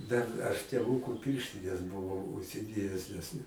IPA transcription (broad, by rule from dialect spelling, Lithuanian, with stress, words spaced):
dɐr ˈɐʃ tʲeːˈʋuːkoː ˈpʲɪrʲʃʲtʲɪnʲɛs bʊˈʋɐʊ ʊʃʲsʲɪˈdʲeːjɛs ˈnʲɛs nʲɛ